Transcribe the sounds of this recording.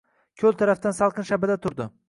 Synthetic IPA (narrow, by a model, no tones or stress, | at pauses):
kʲʰɵlˠt̪ʰaɾaft̪ansɑlˠqʰɨnʃabad̪at̪ʰʊɾd̪ɪ